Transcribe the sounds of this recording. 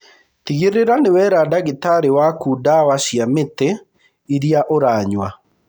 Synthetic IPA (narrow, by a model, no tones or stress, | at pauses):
tiɣeɾeɾanewɛɾadaɣetaɾewakudawasjametɛ | iɾiaʔoɾaɲwa